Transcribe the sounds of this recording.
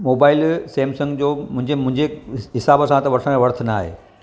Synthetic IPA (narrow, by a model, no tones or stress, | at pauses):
moːbaːɪlseːmsɐ̃ŋɡd͡ʑoːmʊ̃ɦɪ̃ɲd͡ʑemʊ̃ɦɪ̃ɲd͡ʑeɦɪsaːbəsãt̪ɐʋɐɾsʰə̃mẽʋɐɾt̪ʰnaːɦḛː